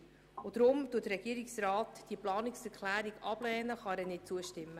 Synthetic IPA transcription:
ʊd̥̪ɾʊmtuətəɾɛɡ̥iːəɾiksɾɑːtd̥iəplɑːnɪksɛɾkʰlæːɾiɡɑb̥lɛːnəχɑɾɛnɪt̚t͡suəʃtɪmːə

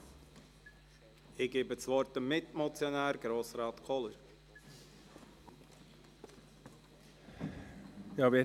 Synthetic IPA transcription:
ɪɡ̥eːbət͡sʋɔɾtəmːɪt̪mɔt͡sjɔnæːɾɡ̥ɾoːsrɑːt̪kʰɔləɾ | jɑːvɪ

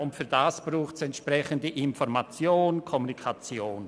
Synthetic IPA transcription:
ʊntfyːɐdasb̥ruːxtsɛntʃprɛçəndəʔɪnfɔɾmat͡sjoːnkʰɔmunikʰat͡sjoːn

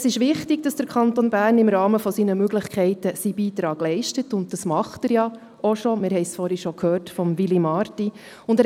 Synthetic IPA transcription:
əsɪʃʋɪχtɪɡ̚d̥ɑsd̥əɾkʰχɑnt̪onbæːrnɪmɾɑːməfɔsinəmøɡlɪχkʰɛɪtəsib̥iːtɾɑːɡ̥lɛɪʃtətʊnt̚d̥ɑsmɑχtəɾjɑ | ɔʃɔmɪɾhɛɪsfɔɾiʃɔkʰhøːrtfɔmʋilimɑːɾti | ʊndæ

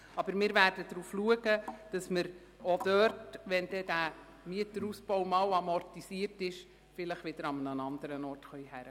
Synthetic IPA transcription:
ɑbəɾmɪːɾʋæɾd̥ədɾuːfluəɡəd̥ɑsməɾ | od̥øɾtʋɛnd̥ɛdæ | miətəɾuspɔwmɑːwɑmɔrtisiəɾtɪʃ | fɪləχʋɪd̥əɾɑmənənɑnd̪əɾənɔrtχœʏhæɾə

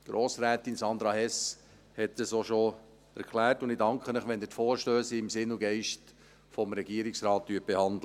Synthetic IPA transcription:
ɡ̥ɾoːsɾæːtinsɑnd̪ɾɑhɛs | hɛt̚d̥əsoʃo | æ̰ɾkʰlæːɾtʊnd̪idɑŋkʰχənəχʋɛndɪtfoːɾʃtøːsiɪmsɪnʊɡɛɪʃt | fɔmɾɛɡiəɾɪksɾɑːt̚dyət̚b̥ehɑnd̪lə

